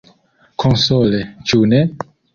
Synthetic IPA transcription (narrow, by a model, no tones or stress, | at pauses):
kʰonsolet͡ʃune